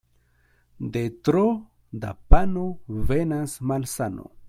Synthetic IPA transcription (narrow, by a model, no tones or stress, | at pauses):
d̪et̪ɾo | d̪a̰panovenasmalsano̰